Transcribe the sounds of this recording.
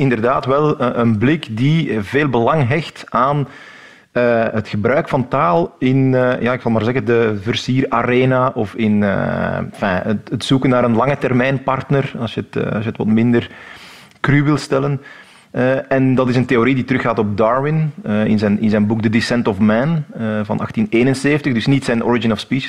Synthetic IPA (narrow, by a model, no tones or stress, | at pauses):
ɪndərdaːtwɛlˠəʔənblɪkdiveːlˠbəlɑŋɦɛxtaːn | əɦətxəbɾœːkfɑntaːlˠɪnːjaːɪksɑlˠmaːrzɛɣəndəvərsiːraɾeːnaʔɔfɪnə̰fɛ̰ətətsukənːaːɾənlɑŋətɛrmɛjnpɑrtnərɑsjəətːɑ̰sjətʋɑ̰tmɪndər | krywɪlˠstɛlən | əɛndɑtɪsənteoɾiditəɾʏxaːtɔb̚dɑːɹwɪnəɪ̰nzɛnɪnzɛjnbuɡ̚dədisɛntɔfmɛnəvɑ̰nʔɑ̰xtineːnənseːfəntəɣdɵsnitsɛjnʔɔ̰ɹɪd͡ʒɪnɔfspiːʃ